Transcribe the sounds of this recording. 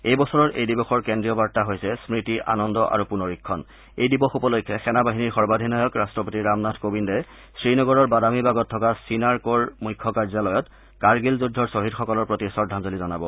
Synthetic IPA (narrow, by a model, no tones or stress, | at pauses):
ejbɔsɔɹɔɹʔḛjdibɔxɔɹkendɹijɔbaɹtaɦojsɛsmɹitiʔa̰nɔndɔʔa̰ɹupunoɹikʰːɔn | ejdibɔxupɔlojkʰːɛxɛnabaɦiniɹxɔɹbadʱinajɔkɹastɹɔpotiɹamnadʰkobindɔj | sɹinɔɡɔɹɔɹbadamibaɡɔtʰːɔkasinaɹkoɹmujkʰːɔkaɹzalɔjɔt | kaɹɡilzudʱːɔɹsoɦidxɔkɔlɔɹpɹotisɔdʱamzolizɔnabɔ